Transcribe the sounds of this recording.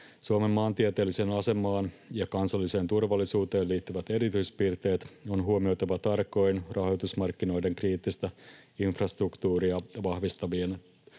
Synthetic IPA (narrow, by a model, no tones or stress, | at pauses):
suome̞mːɑːnt̪iet̪e̞ːlːise̞ːnɑse̞mːɑːnjɑkɑnsɑlːise̞ːnt̪urʋɑlːisuːt̪e̞ːnliːt̪ːyʋæt̪e̞ɾit̪yjspirt̪e̞ːt̪o̞nɦuomio̞wt̪ɑʋɑt̪ɑrko̞jnrɑɦo̞jt̪usmɑrkːino̞jde̞ŋkriːt̪ːist̪ɑinfrɑst̪rukt̪uːɾiɑʋɑhʋist̪ɑʋien